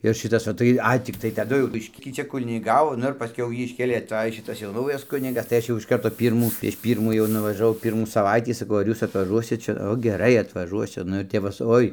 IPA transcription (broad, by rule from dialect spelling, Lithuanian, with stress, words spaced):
ɪr ˈʃʲɪtɐs oː ˈtɐɪ ˈɐɪ tʲɪkˈtɐɪ tɐˈdʊ jɛʊ ˈbʲɪʃʲkʲiː ˈt͡ʃʲɛ kʊnʲɪˈɡɑːʋoː ˈnʊ ɪr pɐsʲˈkʲɛʊ ˈjiː ɪʃʲˈkʲeːlʲeː ɐˈtɐj ˈʃʲɪtɐs jɛʊ nɐʊjɛs ˈkʊnʲɪɡɐs tɐɪ ˈɐʃ jɛʊ ɪʃ ˈkɐrtoː ˈpʲiːrmuː pʲrʲiɛʃ ˈpʲiːrmuː jɛʊ nʊʋɐʒɐˈʋɐʊ ˈpʲiːrmuː sɐˈʋɐɪtʲiː sɐˈkɐʊ ɐr ˈjuːs ɐtʋɐˈʒuɔsʲɪt ˈt͡ʃʲɛ ˈoː ɡʲɛˈrɐɪ ɐtʋɐˈʒuɔsʲʊ ˈnʊ ɪr ˈtʲɛp ʋɐ sʊ ˈoːɪ